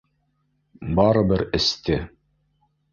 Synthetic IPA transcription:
bɑɾɤbɘɾɘ̆st̪ɘ

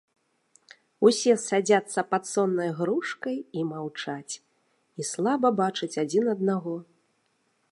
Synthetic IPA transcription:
usʲɛsad͡zʲat̪sːɐpat̪sɔnːɐjɣɾuʂkɐjimawt͡ʂat͡sʲ | islˠabɐbat͡ʂɨt͡sʲad͡zʲinɐd̪̚naɣɔ

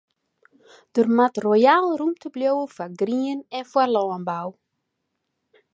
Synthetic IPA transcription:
d̥ərmatrojaːlˠrumtʰəbljowəfarɡriənɛnfwarlɔːənbaw

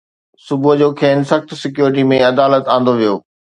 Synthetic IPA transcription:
sʊbʊɦd͡ʑoːkʰeːnsɐxt̪sɪk̬juːɾɪʈ̬imẽɐd̪aːlət̪ãːn̆d̪oʋijo̰ː

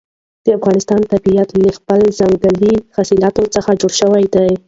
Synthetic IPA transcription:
d̪̥əafɣɑnɪst̪ɑnt̪abijat̪ləxpəlzaŋɡəlixasilɑt̪ot͡səxad͡ʒoɽʃəwajd̪aj

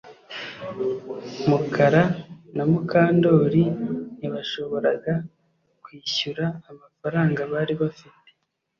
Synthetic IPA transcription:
mukʰaɾanamukaːndo̞ːɾiniβaʃo̞βo̞ɾa̰ɡa | kwiːçuɾaːmafaɾaːŋɡaβaːɾiβafite̥

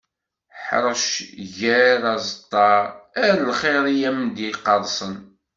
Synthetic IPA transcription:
ħɾˤəʃʝæɾɑzˤət̪ˤːɑɾˤæɾlχɪɾˤijæmd̪iqːɑɾˤsˤən

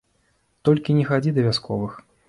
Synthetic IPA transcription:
t̪ɔlʲkʲinʲɛxad͡zʲid̪ɐvʲaskɔvɨx

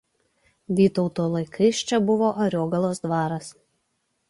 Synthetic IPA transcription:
ʋʲiːt̪ɔʊt̪oːlˠɐɪkʰɐɪst͡ʃʲɛbʊʋoːʔɐɾʲoːɡɐlˠoːsd̪ʋɑːɾɐs

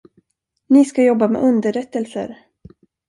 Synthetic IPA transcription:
nɪskajɔbːamɛ̰ʔɵnd̪əɾɛt̪ːəlsə̰ɾ

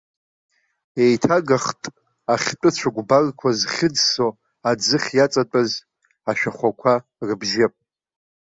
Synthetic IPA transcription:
e̞jtʰaɡaχtʼ | aχʲtʷʼɨt͡ɕʷʰaɡʷbarkʷʰazχʲɪd͡zso | ad͡zɨχʲjat͡sʼat͡pʷʼaz | aʃᶣaχʷakʷʰa | rɨbʒɪpʼ

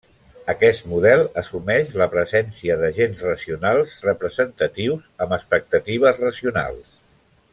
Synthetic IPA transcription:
əkɛst̪muðɛlˠəsumɛʃləpɾəzɛnsiəðəʒenzrəziunalˠzrəpɾəzənt̪ət̪iwzəməspək̚t̪ət̪iβ̞əzrəziuna̰lˠs

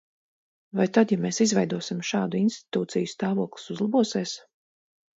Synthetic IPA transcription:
vajt̪ad̪jameːsizvɛjd̪uɔsimʃɑːd̪uinst̪i̥t̪uːt̪sijst̪aːvuɔklˠu̥suzlˠabuɔseɛs

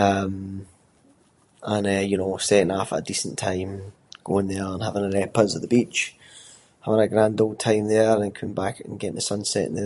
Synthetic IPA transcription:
ʌ̃m | ə̃nəjənoːstɛʔɪ̃ŋafə̰ʔədisə̃ntʰãɪ̃m | ɡ̥oɪ̃ŋðə˞ə̃nhavɪ̃ŋəlɛpəzəʔðəbit͡ʃ | havɪ̃ŋəɡɹãndol̚ˠtʰãɪ̃mðə˞ə̃nkʰʌ̃mɪ̃mbakə̰̃nɡɛʔɪ̃nðəsʌ̃nsɛ̰ʔɪ̰̃n̩ðə

